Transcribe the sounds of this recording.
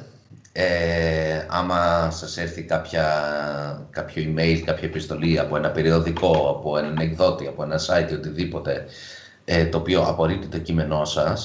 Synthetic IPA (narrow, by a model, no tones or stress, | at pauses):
e | ɐ̰mɐsɐseɾθikɐpçɐ | kɐpço̞ime̞jlkɐpçɐepist̪o̞liɐpoe̞nɐpe̞ɾio̞ðiko̞ɐpo̞e̞nɐnekðo̞t̪iɐpo̞e̞nɐsɐjt̪io̞t̪iðipo̞t̪e̞ | et̪o̞ːpio̞ʔɐ̰po̞ɾipt̪it̪o̞cime̞no̞sɐs